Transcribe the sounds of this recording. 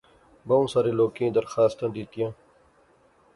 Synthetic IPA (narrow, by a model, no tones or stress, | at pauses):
bɐũːsaɾeloːkẽːd̪ɐɾxaːst̪ãnd̪it̪ijãː